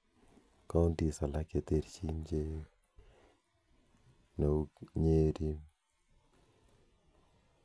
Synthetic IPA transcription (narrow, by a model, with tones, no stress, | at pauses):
ka˦ndi˨sa˨la˦ke˨t̪e˦ɾt͡ʃi˦ɲd͡ʒe˦ | no˨u˦kɲe˦ɾi˦m